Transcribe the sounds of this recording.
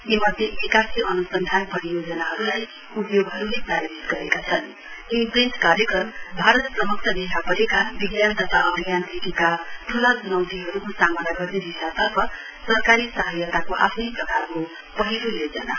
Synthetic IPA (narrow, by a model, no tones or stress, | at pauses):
jimʌd̪ʱjebikasiʌnusʌnd̪ʱanpʌɾijod͡zʌnaɦʌɾulaj | upjoɡɦʌɾulepraɾiɾit̪ɡʌɾekat͡sʰʌn | imprent͡skaɾjʌkrʌmbʱaɾʌt̪prʌmuk̚t͡ʃʰʌd̪eɦʰapʌɾekabiɡjant̪ʌt̪ʰaʌbʱijant̪ʰekekat̪ʰulad͡zunʌwt̪iɦʌɾukosamʌnaɡʌrneɦisat̪ʌrpʰʌ | sʌrkaɾisʌɦʌjat̪akoʔa̰pʰnʌjprʌkarko | pʌɦilojod͡zʌna̰